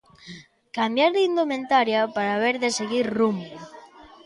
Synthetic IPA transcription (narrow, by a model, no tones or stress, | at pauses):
kambjaɾðind̪omẽnt̪aɾjapaɾaβeɾðeseɣiɾrum